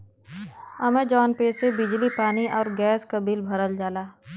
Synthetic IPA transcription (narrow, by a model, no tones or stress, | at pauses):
ɐmẽd͡ʒɔːnpeːsebɪd͡ʒlipaːniʔɔːɾɡɛːskabilbʱɐɾəld͡ʒaːlaː